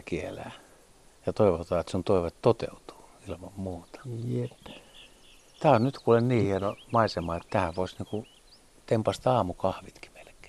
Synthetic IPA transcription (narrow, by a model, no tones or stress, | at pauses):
kielæ̰ː | jɑt̪oiʋot̪ɑːet̪sunt̪oiʋet̪t̪ot̪ḛut̪u̥ːilmɑmmuːt̪ɑ̥etː | t̪æːonnyt̪kuːlenniːhienomɑisemɑːet̪t̪æhæʋoisniːŋku | t̪empɑst̪ɑːmukɑhʋit̪ki̥melke̥ː